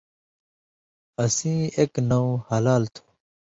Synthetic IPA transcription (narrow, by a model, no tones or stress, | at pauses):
ɐsĩːeknɐũhɐlaːlt̪ʰu̥